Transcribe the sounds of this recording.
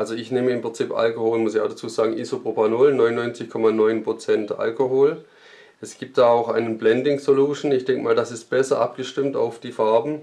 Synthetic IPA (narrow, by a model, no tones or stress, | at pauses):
ʔalzoɪçneːməɪmpʁ̥ɪnt͡sipʔa̰lkohoːlmʊsɪça̰ʊxd̥at͡suːzaːɡŋ̩ʔiːzopʁopanoːlnɔʏnɔʏnt͡sɪçkʰɔmanɔʏnpʁ̥ot͡sɛntʔa̰lkohoːl | ʔɛsɡ̥iːp̚t̚d̥aːaʊxaɪnənblɛndɪŋsoluːʃn̩ɪçd̥ɛŋkəmaːldasɪst̚b̥ɛsɐʔap̚ɡ̥əʃtɪmta̰ʊfd̥iːfaɐbm̩